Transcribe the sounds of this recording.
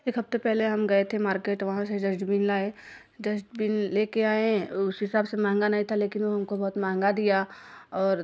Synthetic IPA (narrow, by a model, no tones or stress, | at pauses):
eːkɦɐft̪epɛɦleɦɐmɡɐet̪ʰemaːɾkeːʈʋɐɦãsed͡ʒɐd͡ʒɖbiːnlaːe | d͡ʒɐd͡ʒɖbiːnleːkeaːẽʊsɦɪsaːbsemãːŋɡanɐɦĩt̪ʰaleːkɪnʋoɦɐmkobɐɦʊt̪mãːŋɡad̪ijaɔːɾ